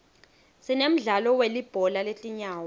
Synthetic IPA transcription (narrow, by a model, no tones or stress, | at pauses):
sinem̩ɮalɔwelib̥ʱɔlalet͡ɬʼiɲaːwɔ